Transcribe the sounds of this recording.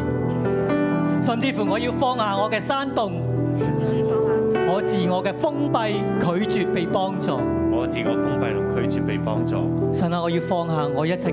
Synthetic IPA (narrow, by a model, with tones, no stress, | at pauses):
sɐ˨˧mt͡siː˧fuː˨˩ŋɔː˨˧jiː˧wfɔː˧ŋhaː˨ŋɔː˨˧kɛː˧saː˥nt̪ʊ˨˧ŋ˨ | ŋɔː˨˧t͡siː˨ŋɔː˨˧kɛː˧fʊ˥ŋpɐ˧j | kʰɵ˨˧˥ɥt͡ʃyː˨t̚pe˨˧jpɔː˥ŋt͡sɔː˨ŋɔː˨˧t͡siː˨˧kɔː˨˧fʊ˥ŋpɐ˨˧jt̪ʊ˨˩ŋkʰɵ˨˥ɥt͡syː˨t̚pe˨˧jpɔ̰ː˥ŋt͡sɔ̰ː˨sɐ˨nːaː˨˧ŋɔː˨˧jiː˧wfɔː˧ŋɦaː˨ŋɔː˨˧jɐ˥t̚t͡sʰɐ˨˩